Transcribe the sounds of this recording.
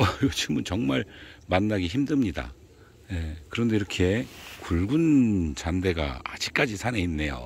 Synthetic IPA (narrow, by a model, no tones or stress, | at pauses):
ʌjot͡ɕiɡɯmɯnt͡ɕʌŋmaɭmanːaɡiçimdɯmɲida̰ | jekɯɾʌnde̞iɾʌkʰe̞kuɭɡunt͡ɕande̞ɡa̰ad͡ʑik̚k͈ad͡ʑisʰane̞inːe̞jo̰